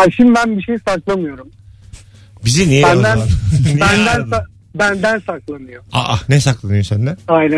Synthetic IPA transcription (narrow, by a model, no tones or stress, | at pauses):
aʃimd̪ibænbiʃejsaklˠamɯjo̞ɾum | bizinijebæd̪ænabænd̪ænsa | bænd̪ænsaklˠanɯjoa̰ʔanɛsaklˠanɯjosænd̪ɛajnæ